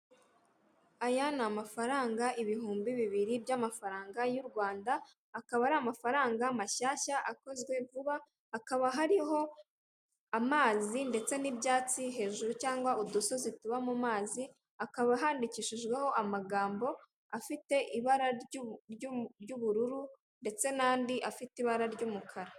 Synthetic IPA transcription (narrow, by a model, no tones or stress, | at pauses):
ajanaamafaɾaːŋɡaʔiβiɦuːmbiβiβiɾibjamafaɾaːŋɡajuɾɡwaːndaː | kaβaɾaːmafaɾaːŋɡamaʃaːʃaʔako̞zɡwe̞vuβaː | kaβaɦaɾiɦo̞ | amaːzinde̞t͡se̞nibjaːt͡siɦe̞ːʒuɾucaːŋɡwaudoso̞zituβamumaːzi | akaβaɦaːndiciʃiʒɡwe̞ho̞ʔamaɡaːmbo̞ | afite̞ʔiβaɾaɾjuɟuβuɾuɾu | nde̞t͡se̞naːndiʔafitiβaɾaɾɟuːmukʰaɾa